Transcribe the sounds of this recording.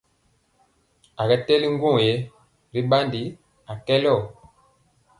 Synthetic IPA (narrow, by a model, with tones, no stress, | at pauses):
a˨ɡɛ˦tɛ˦li˦ŋ˦ɡwũ˦˨je˨˦ | ɾi˦ɓa˦ndi˨˦ | a˨kɛ˦lɔ˦˨